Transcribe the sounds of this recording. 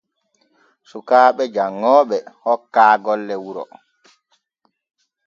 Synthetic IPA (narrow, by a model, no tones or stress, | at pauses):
sukaːɓɛd͡ʒaŋːɔːɓɛhɔkːaːɡɔlːɛwuɾɔ̰